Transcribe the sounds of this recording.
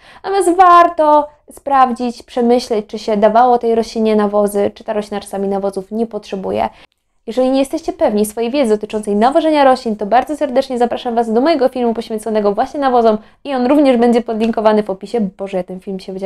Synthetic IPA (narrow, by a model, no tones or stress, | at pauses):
avʲjazvaɾt̪ɔ | spɾavd͡ʑit͡ɕpʂɛmɘɕlɛt͡ɕt͡ʂɘɕɛd̪avawɔt̪ɛjɾɔɕlʲiɲɛnavɔzɘt͡ʂɘ̥t̪aɾɔɕlʲinat͡ʂḁsamʲinavɔzufɲɛpɔtʂɛbujɛ̰ | jɛʐɛlʲiɲejɛst̪ɛɕt͡ɕɛpɛvɲisfɔjejvʲjɛd̪zɘd̪ɔt̪ɘt͡ʂɔnt̪sɛjnavɔʐɛɲaɾɔɕlʲint̪ɔbaɾd̪zɔsɛɾd̪ɛt͡ʂɲɛzapɾaʂamvazd̪ɔmɔjɛɡɔfʲilmupɔɕfʲjɛnt̪sɔnɛɡɔvwaɕɲɛnavɔzɔm | iɔnɾuvɲɛʐbɛɲd͡ʑɛpɔd̪lʲiŋkɔvanɘvɔpʲiɕɛbɔʐɛjat̪ɛnfʲilmɕɛvd͡ʑa